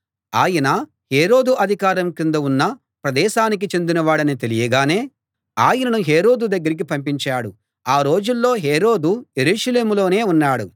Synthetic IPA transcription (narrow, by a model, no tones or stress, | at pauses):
aːjɐnɐ | heːɾo̞ːd̪uʔɐd̪ʱikaːɾɐmkind̪ɐunːɐ | pɾɐd̪ɛːʃaːnik̬it͡ʃe̞nd̪inɐʋaːɽɐnit̪e̞lijɐɡaːne̞ː | aːjɐnɐnuɦeːɾo̞ːd̪ud̪ɐɡːɐɾik̬ipɐmpiɲt͡ʃaːɽu | aːɾo̞ːd͡ʒulːo̞ːɦeːɾo̞ːd̪uje̞ɾuːʂɐle̞ːmulo̞ːne̞ːunːaːɽu